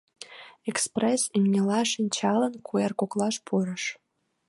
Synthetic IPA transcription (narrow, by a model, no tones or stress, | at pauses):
ekspresimnʲelɑʃinʲt͡ɕɑlənkʰuerkoklɑʃpʰuɾə̆ʃ